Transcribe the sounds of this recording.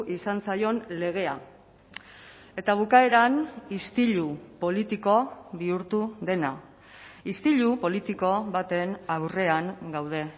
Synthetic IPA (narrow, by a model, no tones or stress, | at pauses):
ʔisansajo̞nle̞ɣ̞e̞a | e̞t̪aβ̞ukae̞ɾanist̪iʎupo̞lit̪iko̞βiuɾt̪uðe̞na | ist̪iʎupo̞lit̪iko̞βat̪e̞nawre̞aŋɡawð̞e̞